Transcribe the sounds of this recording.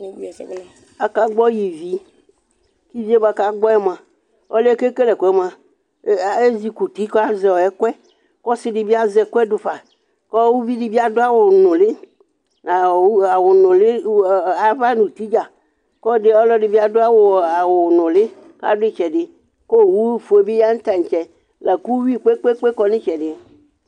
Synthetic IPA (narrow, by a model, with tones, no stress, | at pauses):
a˨ka˦ɡ͡bɔ˦ji˨vi˦ | ki˦vi˦e˦ba˨ka˦ɡ͡bɔ˦ɛ˦mã˨ | ɔ˦le˦ke˦ke˦lɛ˨kɛ˦mã˨˦˨ | e˦zi˨ku˨t̪i˦ka˦zɛ˨wɔ˨ɛ˦kwɛ˦ | kɔ˦si˦ɖe˨bi˦a˦zɛ˨ko˦ɛ˦ɖo˨ɸa˨ | kɔ˦wu˦vi˦ɖi˨bi˦a˦do˦a˦wo˨nɔ̃˨le˦ | a˨˦a˨wo˨nʊ̃˨lɪ˦a˨va˦nũ˨t̪i˦d͡ʒa˨ | kɔ˦ɖe˦ɔ˦lɔ˦ɖɪ˨bi˦a˨do˦a˦wo˨a˨wo˨nɔ̃˨lɪ˦ | ka̰˦ɖʊ˦ɪ˦t͡ʃɛ˨ɖɪ˦ | ko˦˨wu˦fo˨e˨be˦ja˦ŋ̩˦t̪a˨ɲ̩˨t͡ʃɛ˨ | lɛ˨ku˦wi˦k͡pe˦k͡pe˦k͡pe˦kɔ˦nɪ̃˦t͡ʃɛ˨ɖɪ˦